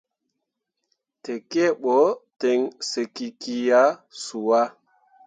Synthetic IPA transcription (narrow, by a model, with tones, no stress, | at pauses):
tɛ˨ke˦ɓɔ˨˦te˨ŋse˨ki˨ki˨ja˦su˨wa˦